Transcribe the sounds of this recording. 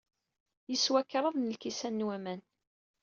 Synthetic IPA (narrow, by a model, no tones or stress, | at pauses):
jəswækːɾˤɑðˤnəlkisænːwæmæn